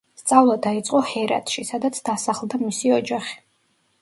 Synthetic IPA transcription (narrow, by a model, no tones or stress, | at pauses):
st̪sʼavlˠad̪ait̪sʼqʼɔhɛɾa̰t̪ʰʃisad̪at̪sʰd̪asaχlˠd̪amisiɔd͡ʒaχi̥